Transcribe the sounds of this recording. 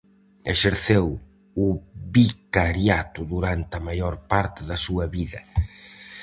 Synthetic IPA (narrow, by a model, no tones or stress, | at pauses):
eʃeɾθew | ʊβikaɾjat̪ʊðuɾant̪ɐmajoɾpaɾt̪ɪðɐsuɐβiðɐ